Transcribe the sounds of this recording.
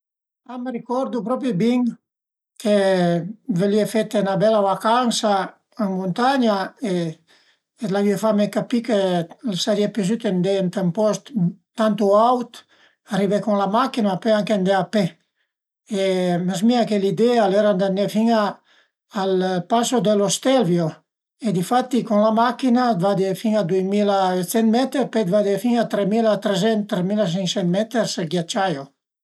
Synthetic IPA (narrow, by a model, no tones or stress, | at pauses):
amerikɔɾd̪upɾɔpibiŋ | kʰe | veliefet̪enabɛlaβakansaː | ŋmunt̪aɲae | et̪laviefamekapikelsaɾiepez̬yt̪end̪ent̪empɔst̪t̪ːant̪uawt̪ | arivekoŋlamakinapeaŋkend̪eape | emes̬miakelid̪ealeɾand̪anːefiŋaː | lpasod̪elost̪elvjo | ed̪ifat̪ːikonlamakinad̪vad̪efiŋad̪ujmilasɛnmɛt̪eɾped̪vad̪efiŋat̪ɾemilat̪ɾezɛnt̪ːɾemilas̬iŋsɛnt̪mɛt̪eɾselɡjat͡ʃajo